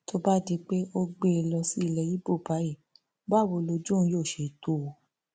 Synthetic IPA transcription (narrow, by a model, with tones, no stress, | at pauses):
to˦ba˦ti˧k͡pe˦ʔo˦ɡ͡be˦˧lɔ˧si˦i˦˧˨lɛ˧ji˨˦bo˦˨ba˨˦ji˦˨ | ba˦˨wo˧˦lo˧d͡ʒũ˦jo˦˨ʃe˨˦to˦˨